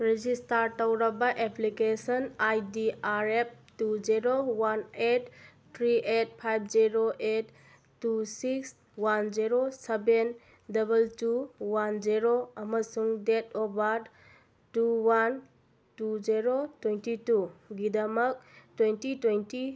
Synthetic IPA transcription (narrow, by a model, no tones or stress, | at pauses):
ɾed͡ʒistaɾtɐwɾɐbɐʔeplikesɐnajdiaɾep̚ | tud͡ʒiɾowanet | tʰɾiʔet̚pʰajb̚ʰd͡ʒiɾoʔetː | usiks | wand͡ʒiɾoseben | dɐbɐltuwand͡ʒiɾoɐmɐsuŋdetobaɾd | tuwan | tud͡ʒiɾotwentituɡidɐmɐk̚twentitwenti